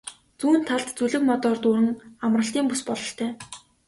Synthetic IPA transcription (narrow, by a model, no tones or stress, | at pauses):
t͡suːnt̪ʰːaɮt̪t͡suɮɘ̆kmɔt̪ɔːrt̪ʊːɾɘ̆ŋamrə̆ɬt̪iːmpuspɔɮɞ̆ɬt̪ʰœː